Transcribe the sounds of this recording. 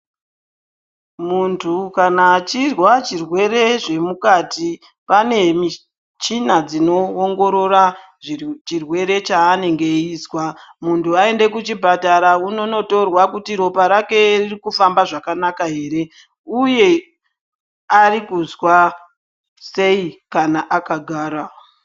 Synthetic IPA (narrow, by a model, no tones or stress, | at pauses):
muntʰukanat͡ʃirwat͡ʃirwe̞ɾe̞ʐe̞mukati | pane̞mi | t͡ʃinad͡zino̞ːŋɡo̞ɾo̞ra | ʐit͡ʃirwe̞ɾe̞t͡ʃaːne̞ŋɡe̞iːzwamuntuae̞nde̞kut͡ʃibʱataɾauno̞no̞to̞rwakutiɾo̞paɾake̞ririkufambaʐakanakaɦe̞ːɾe̞ | uje̞ | arikuzwa | se̞ikanaʔakaɡʱaːɾa